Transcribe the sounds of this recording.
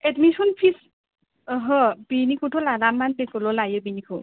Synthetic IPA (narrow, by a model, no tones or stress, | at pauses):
edmisɔnpʰis | ɦɔbinikʰutʰɔladamːandekulɔlajɔbinikʰu